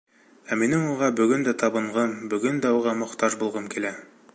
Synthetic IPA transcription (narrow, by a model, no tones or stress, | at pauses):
æminɘŋuʁɑbɵ̆ɡɵnd̪æt̪ɑbɤ̆ɴʁɤmbɵ̆ɡɵnd̪æuʁɑmŏqt̪ɑʒbulˠʁɤmkilæ